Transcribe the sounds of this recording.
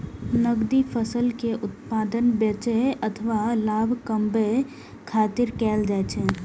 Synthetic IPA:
nəɡd̪ifʰəsəlkeʔʊt̪paːd̪ənbet͡ʃeʔət̪ʰʋalaːbʱkə̃mbe | kʰaːt̪ɪɾkɛːld͡ʒaːt͡ʃʰɛ̃ː

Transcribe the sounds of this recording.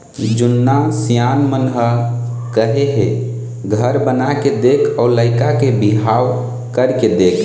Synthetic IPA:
d͡ʒʊnːasijanmənɦə | kəɦeɦe | ɡʱəɾbənaked̪ekʰɔːɾləɪkakebiɦaw | kəɾked̪eːkʰ

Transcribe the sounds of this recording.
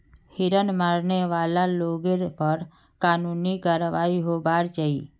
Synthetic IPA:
hiɾənmaɾneʋalaloɡeɾpəɾ | kaːnuniɡaɾʋaːiɦobaɾt͡ʃai

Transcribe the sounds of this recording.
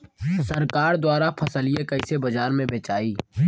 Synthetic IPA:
səɾkaːɾd̪waːɾapʰɐsəlijẽkɐɪsebɐd͡ʒaːɾmẽbeːt͡ʃaːiː

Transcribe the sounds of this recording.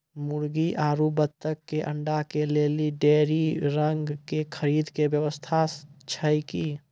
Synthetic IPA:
muɾɡiʔaɾubət̪ːəkːeʔə̰ɳɖakeleliɖeɾiɾəŋɡkekʰəɾid̪kebjəʋəst̪ʰat͡ʃʰəjki

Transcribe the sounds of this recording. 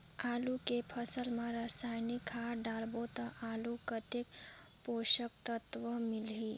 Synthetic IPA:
aːlukepʰəsəlmãɾəsajnikʰːaɖalbot̪əʔaːlukət̪ek | poʃək̚t̪ət̪ʋəmɪlɦi

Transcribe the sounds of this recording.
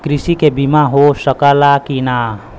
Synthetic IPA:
kɾɪsikebimaɦosəkəlakina

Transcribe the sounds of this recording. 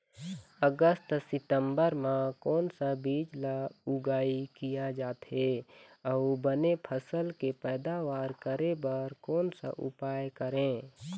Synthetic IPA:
əɡəst̪sɪt̪ə̃mbəɾmãkɔːnsabiːd͡ʒlaʊɡaːikijad͡ʒaːt̪ɦeɔʊbənepʰəsəlkepɛːd̪aʋaːɾkəɾebəɾkɔːnsa̰ʔʊ̰paːjkəɾẽː

